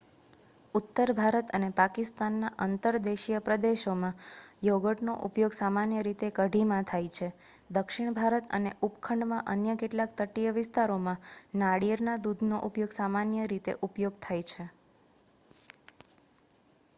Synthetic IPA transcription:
ut̪ːəɾbʱaɾət̪ənepakɪst̪anːaʔənt̪əɾd̪eʃijəpɾəd̪eʃomãjoɡəʈnoʔupjoɡsamanjəɾit̪ekəɖʱimãt̪ʰajt͡ʃʰe | d̪əkʃiɳ̃bʱaɾət̪ə̰neʔupkʰəɳɖmãʔənjəkeʈlak̚t̪əʈijəʋɪst̪aɾomãnaɽiəɾnad̪ud̪ʱnoʔupjoɡsamanjəɾit̪ḛʔupjoɡt̪ʰajt͡ʃʰe

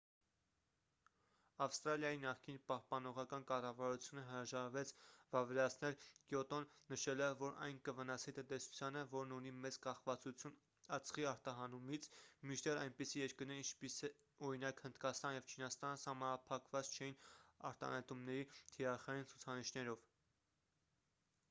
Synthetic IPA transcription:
ɑfst̪ɾɑljɑjinɑχkinpɑhpɑnɔʁɑkɑnkɑrɑvɑɾut͡sʰjunəɦəɾɑʒɑɾvɛt͡sʰvɑvɛɾɑt͡sʰnɛlkjɔt̪ɔnːəʃɛlɛːɔɾʔɑ̰jnkəvənɑsit̪ənt̪ɛsu̥t͡sʰjɑnəvɔɾnunimɛt͡skɑχvɑt͡sut͡sʰjun | ɑt͡sʰχiɑɾt̪ɑɦɑnumit͡sʰmit͡ʃʰd̪ɛɾɑjnpisijɛɾkəɾnɛɾint͡ʃʰpisɛ | ɔɾinɑkhənd̪kɑst̪ɑnjɛvt͡ʃʰinɑst̪ɑnəsɑhmɑnɑpʰɑkvɑt͡st͡ʃʰɛjinɑ̰ɾt̪ɑ̰nɛt̪umnɛɾit̪ʰiɾɑχɑjint͡sʰu̥t͡sʰɑniʃnɛɾɔv̥

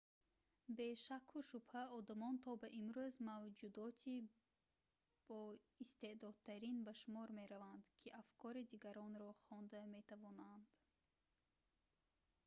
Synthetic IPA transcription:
be̞ʃakʰuʃubhæɔd̪amɔnt̪ʰɔbaʔimɾuzmavd͡ʒud̪ɔt̪ʰi | b̥ɔ | ist̪e̞d̪ɔd̪̚t̪ʰæɾinbaʃumɔɾme̞ɾavand̪kʰiʔafkʰɔɾid̪iɡaɾɔnɾɔχɔnd̪ame̞t̪ʰavɔnand̪̥

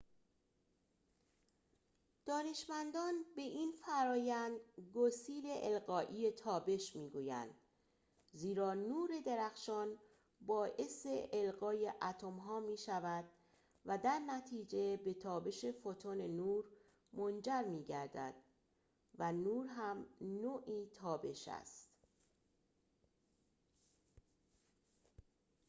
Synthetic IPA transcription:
d̪̥ɒːne̞ʃmænd̪ɒːnbe̞ʔiːnfæɾɒːjænd̪ɡosiːle̞ʔelɢɒːʔiːe̞t̪ʰɒːbe̞ʃmiːɡuːjæ̰nd̪̥ | ziːɾɒːnuːɾe̞d̪e̞ɾæxʃɒːn | bɒːʔe̞seʔelɣɒːje̞ʔæt̪ʰo̞mɦɒːmiːʃævæd̪̥̚ | væd̪æɾnæt̪ʰiːd͡ʒe̞be̞t̪ʰɒːbe̞ʃe̞fot̪ʰonenuːɾ | mond͡ʒæɾmiːɟæɾd̪æ̰d̪̥ | vænuːɾɦæmnoːʔiːt̪ʰɒːbe̞ʃæ̰st̪

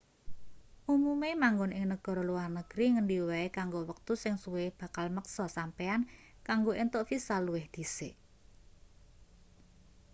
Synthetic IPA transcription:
ʔumumemaŋɡonʔɪŋnəɡ̥ɔ̤ɾɔluwarnəɡ̥ɾiŋəndiwɛekaŋɡowək̚t̪usɪŋsuwɪb̥ä̤kalməksɔsampɛan | kaŋɡoʔent̪oʔfisaluwɪhd̪̥i̤seʔ

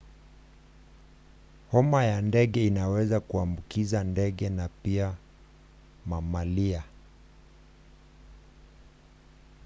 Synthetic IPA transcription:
hɔmajandɛɠɛinawɛzakuambukizandɛɠɛnapia | mamalia

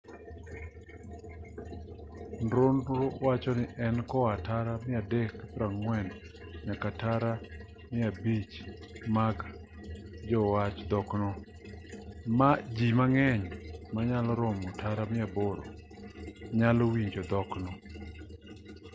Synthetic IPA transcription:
nɾonɾowat͡ʃɔnɪʔɛnkɔataɾamɪadɛkpɾaŋwɛn | ɲakataɾa | mɪabit͡ʃ | maɡ | d͡ʒɔwat͡ʃd̪ɔknɔ | mad͡ʒimaŋɛɲmaɲalɔɾɔmɔtʰaɾamɪaboɾɔ̰ | ɲalɔwiɲd͡ʒɔd̪ɔknɔ

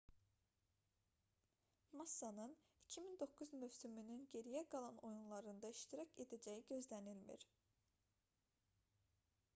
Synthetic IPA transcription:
mɑsːɑnɯn | icʰimind̪o̞kːuzmøvsymynynɟe̞ɾijæɡɑlˠɑno̞junlˠɑɾɯnd̪ɑiʃt̪iɾɑcʰe̞d̪æd͡ʒæjiɟø̞zlænilmḭɾ

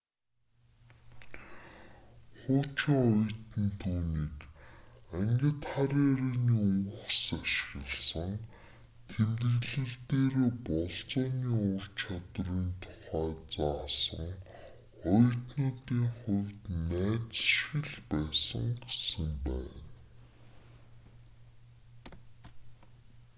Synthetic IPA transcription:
χʊːt͡ɕiɔj̆t̪ɘ̆nt̪ʰuːniːk | æŋɡʲə̆t̪χaɾeːɾeːniːʊw̆ksaʃɣə̆ɮsə̆ŋ | t̪ʰent̪ɘ̆ɣɮɘ̆rt̪eːɾeːpɔɮt͡sɔːniːʊr̥t͡ɕʰat̪riːnt̪ʰʊ̥χæːt͡saːsə̰̆ŋ | χɔj̆rt̪nʊːt̪iːŋχʊwt̪næːt͡sʃxɪ̆ɮpæːsə̰̆ŋɡesə̆mpæ̰ːn

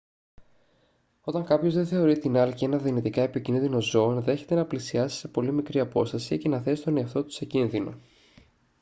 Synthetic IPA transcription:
o̞t̪ɐŋkɐpço̞zðe̞θe̞o̞ɾit̪inɐlicie̞nɐðinit̪ikɐepicinðino̞zo̞ːnðe̞çe̞t̪e̞nɐplisiɐsi̥se̞po̞limikɾiɐpo̞st̪ɐsice̞nɐθe̞si̥t̪o̞neɐft̪o̞t̪u̥secinðino̞̰

